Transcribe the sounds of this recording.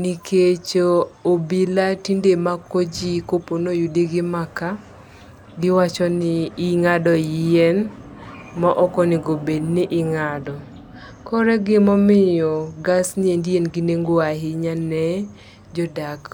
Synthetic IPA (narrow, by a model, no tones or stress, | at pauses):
nikʰet͡ʃoobilatindemakod͡ʒikoponojudeɡɪmaka | ɡɪwat͡ʃɔnɪɪŋadɔjɪjɛn | maʔɔkɔnɪɡobednɪʔɪŋadɔ | kɔɾɛɡɪmɔmɪjɔɡasnɪendienɡɪneŋɡoaɦɪɲanɛ | d͡ʒɔdak